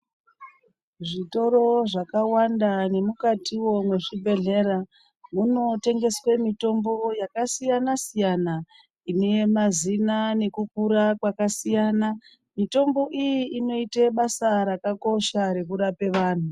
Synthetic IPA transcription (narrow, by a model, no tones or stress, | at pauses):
ʐito̞ɾo̞ʐakawandane̞mukatiwo̞mwe̞ʐibʱe̞ɮe̞ɾa | muno̞te̞ŋɡe̞swemito̞mbo̞jakasijanasijana | ine̞jemazinane̞kuk̚uɾakwakasijana | mito̞mbo̞ʔijiino̞iteɓasaɾakako̞ʃaɾe̞kuɾape̞ʋaːn̤u